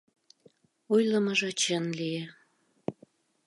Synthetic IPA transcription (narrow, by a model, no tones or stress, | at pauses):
ojləməʒɑt͡ɕɑnlije